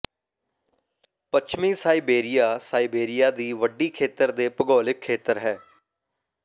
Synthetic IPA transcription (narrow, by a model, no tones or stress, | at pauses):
pət͡ʃʰmĩːsaːiːbeːɾɪjaːsaːiːbeːɾɪjaːd̪iːʋəɖːiːkʰeːt̪əɾd̪eːpəɡɔːlɪkʰːeːt̪əɾɦɛː